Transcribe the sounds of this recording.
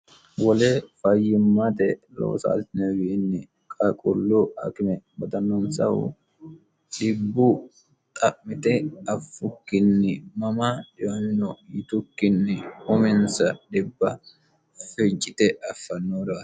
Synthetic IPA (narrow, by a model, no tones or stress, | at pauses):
wɐleːfɐjːɪmːat̪ɛ | lo̰ːsa̰ːlt̪ɪnɛwɪːnːɪ | kʼɐkʼʊlːuɐ̰kɪmɛbɐt̪ɐnːɔnsɐ̰hʊ̰ | ɗɪbːu | t̪ʼɐʔmɪt̪ɛɐfːʊkːɪnːɪmɐmaᶑɪwɐnːɔjɪt̪ʊkːɪnːɪhʊmɪnsɐᶑɪbːɐ | fɛt͡ʃʼːɪt̪ɛʔɐfːɐnːuɾa